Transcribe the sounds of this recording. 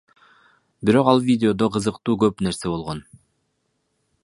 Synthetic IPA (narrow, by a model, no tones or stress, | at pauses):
biɾo̞qɑlˠvʲidʲɪo̞d̪o̞qɯzɯqt̪uːɡøpne̞ɾse̞bo̞lˠʁo̞n